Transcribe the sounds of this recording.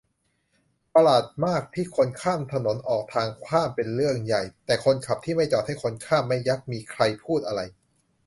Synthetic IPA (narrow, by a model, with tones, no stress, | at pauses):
pa˧laː˨˩t̪̚maː˥˩k̚t̪ʰiː˥˩kʰo˧nkʰaː˥˩mt̪ʰa˧no˩˦nʔɔː˨˩k̚t̪ʰaː˧ŋkʰaː˥˩mpe˧nɾɯ˥˩əŋja˨˩jt̪ɛː˨˩kʰo˧nkʰa˨˩p̚t̪ʰiː˥˩ma˥˩jt͡ɕɔː˨˩t̪̚ha˥˩jkʰo˧nkʰaː˥˩mːa˥˩jːa˦˥k̚miː˧kʰɾa˧jpʰuː˥˩t̪̚ʔa˧ɾa˧j